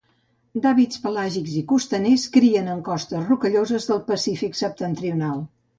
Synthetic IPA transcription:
d̪aβit͡spəlaʒikzikust̪əneskɾiənəŋkɔst̪əsrukəʎozəzðəlˠpəsifiksəp̚t̪ənt̪ɾiunalˠ

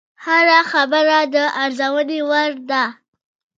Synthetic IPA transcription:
haɾaxabəɾad̪əʔaɾzawənewaɾd̪a

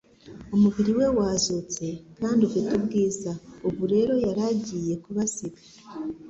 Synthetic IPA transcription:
omuβiɾiwe̞waːzot͡se̞kaːnduɡutubɡiːzauβuɾe̞ɾo̞jaɾaɟije̞kuβasiɡḁ

